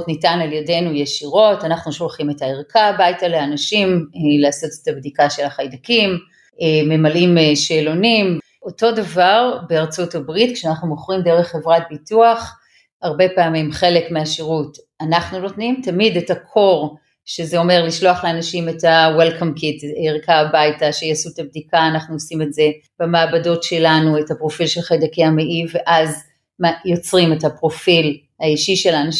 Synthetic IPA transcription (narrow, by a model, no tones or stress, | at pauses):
tnitanaljadejnujeʃiʁo̞tanaχnuʃolχime̞taeʁkabajtaleanaʃimlaːso̞te̥tabdikaʃe̞laχajdakim | me̞malimeʃeːlo̞nim | o̞to̞davaʁbe̞aʁt͡sutabʁitkʃeanaχnumoχʁimdeʁeχːevʁat̚bituaχ | haʁbe̞paːmimχe̞lekmeaʃiʁut | anaχnuno̞tnimtamidetakʰo̞ʁ | ʃezeo̞me̞ʁliʃloaχleanaʃimetawelkamkitiʁkaːbajtaʃejasuetab̚dikaːnaχnuosime̞tze̞ | b̥amaːbado̞tʃe̞lanuethapʁo̞filʃelχajdakeameʔiveʔaz | majo̞t͡sʁimethapʁo̞fil | haiʃiʃelan